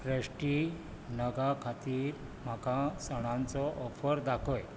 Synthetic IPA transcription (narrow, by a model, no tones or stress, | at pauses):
fɾesʈi | nəɡakʰat̪iːɾ | m̤akasəɽ̃ãnt͡sɔʔɔfəɾd̪akʰɔj